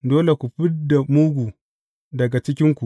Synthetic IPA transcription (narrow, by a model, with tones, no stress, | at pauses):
doː˦le˨kʷu˨ɸɪ˦da˨muː˦ɡʷu˨ | dɐ˨ɡa˨t͡ʃɪ˦kʲɪ˦ŋkʷu˨ʔ